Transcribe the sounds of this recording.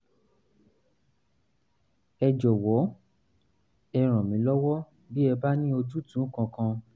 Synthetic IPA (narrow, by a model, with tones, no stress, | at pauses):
ɛ˧d͡ʒɔ˨wɔ˨˦ | ɛ˧ɾ̃ã˨mĩ˨˦lɔ˦wɔ˦ | bi˦ɛ˧ba˦nĩ˦o˧d͡ʒu˦tũ˨˦kã˧kã˧